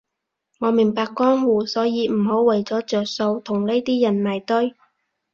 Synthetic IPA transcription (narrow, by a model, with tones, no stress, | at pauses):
ŋɔː˨˧mɪ˨˩ŋpaː˧kːɔː˥ŋhuː˨˩sɔː˨˥jiː˨˧m̩˨˩ho˨˥wwɐ˨˩jt͡sɔː˨˥t͡ʃœː˨k̚so˧wt̪ʰʊ˨˩ŋne˥jt̪iː˥jɐ˨˩nmaː˨˩jt̪ɵ˥ɥ